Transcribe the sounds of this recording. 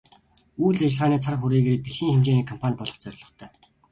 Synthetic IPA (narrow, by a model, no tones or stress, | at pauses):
uːɮat͡ɕɪ̆ɮʁaːniːt͡sʰarχuɾiːɣeɾipiɮxiːŋxemt͡ɕeːniːkʰɔmpʰanʲpɔɮɞ̆χt͡sœɾʲɪ̆ɮɞ̆χt̪ʰœː